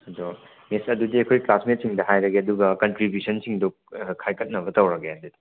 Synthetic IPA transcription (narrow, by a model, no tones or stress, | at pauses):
ɐdo | misɐdudiɐkʰojklasmet̚siŋdɐɦajɾɐɡeɐduɡɐkɐntɾibjusɐnsiŋdu | kʰajkʰɐt̚nɐβɐtɐwɾɐɡeɐdudi